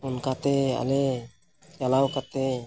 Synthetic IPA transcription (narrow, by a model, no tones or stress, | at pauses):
unkat̪ɛa̰lɛ | jalawkat̪ɛ